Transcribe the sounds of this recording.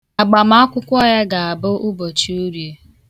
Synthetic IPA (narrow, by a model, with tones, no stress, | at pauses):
a˨ɡ͡ba˨m̩˦a˦kʷʊ˦kʷɔ˦ja˦ɡa˨a˨bʊ˦ʔʊ˦bo˨t͡ʃi˦u˦ɾje˨